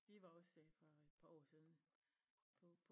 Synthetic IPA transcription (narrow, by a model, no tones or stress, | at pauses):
ʋiʋɑ̈ɒ̽sd̥ɛfɒd̥pʰɑ̈ɒ̰ːsiːðˠn̩ | pʰɒ̽pʰ